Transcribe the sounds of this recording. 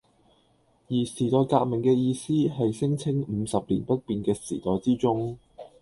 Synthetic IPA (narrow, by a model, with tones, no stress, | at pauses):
jiː˨˩siː˨˩t̪ɔː˨˧jkaː˧k̚mɪ˨˩ŋkɛː˧jiː˧siː˥ɦɐ˨jsɪ˥ŋt͡sʰɪ˥ŋm̩ː˨˧sɐ˨p̚lḭː˨˩npɐ˥t̚piː˨nkɛː˧sḭː˨˩t̪ɔː˨jt͡siː˥t͡sʊ˥ŋ